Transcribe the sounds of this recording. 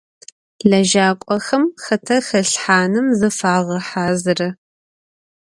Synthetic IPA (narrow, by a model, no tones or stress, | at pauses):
ɮɐʒaːqʷʼɔxɐmxɐtʰɐxɐɬħaːnɨmzɨfaːʁɐħaːzɨrɐ